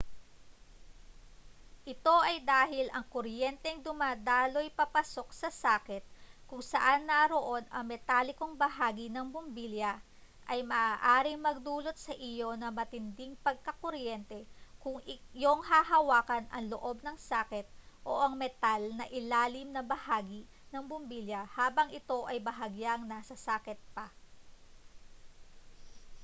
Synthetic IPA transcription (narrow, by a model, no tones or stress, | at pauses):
ʔɪt̪o̞ʔɐjd̪aːɦɪlʔɐŋkoɾjɛnt̪ɛŋd̪ʊmaːd̪aːlo̞jpɐpɐso̞k̚sɐsaːkɛt̪̚kʊŋsɐʔanːɐɾo̞ʔo̞nɐŋmɛt̪aːlɪko̞ŋbɐɦaːɡɪnɐŋbʊmbiljɐ | ʔɐjmɐʔaːʔaːɾɪŋmɐɡ̚d̪uːlo̞t̪̚sɐʔɪjo̞nɐmɐt̪ɪnd̪ɪŋpɐɡ̚kɐkoɾjɛnt̪ɛkʊŋjoŋhaːhɐwaːkɐnɐŋloʔo̞bnɐŋsaːkɛt̪̚ʔo̞ʔɐŋmɛt̪alnɐʔɪlaːlɪmnɐbɐhaːɡɪ | nɐŋbʊmbiljɐhaːbɐŋɪt̪o̞ʔɐjbɐɦɐɡjaŋnɐsɐsaːkɛt̪̚pɐ